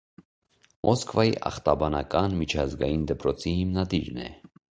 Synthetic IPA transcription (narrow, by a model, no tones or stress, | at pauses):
mʔɔskvɑjḭʔɑ̰χt̪ɑbɑnɑkɑnmit͡ʃʰɑzɡɑjind̪əpɾɔt͡sʰihimnɑd̪iɾnɛ̰